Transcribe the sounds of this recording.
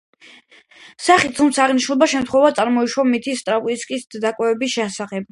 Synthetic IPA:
saχit̪t̪ʰumt̪sʰaːʁniʃnulˠbaʃɛmt̪χwɛvat̪sʼaɾmɔiʃwamit̪ʰist̪ʼɾaviskʼisd̪akʼwɛvɛbisʃɛsaχɛb̚

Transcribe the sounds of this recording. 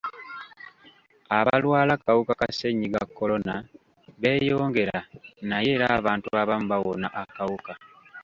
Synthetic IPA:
aβalwaːlakawukakase̞ɲːiɡakːo̞lo̞na | βe̞ːjo̞ːŋɡe̞ɾanaje̞ːɾaːβaːntuβaβamuβawo̞na̰ʔakawuka

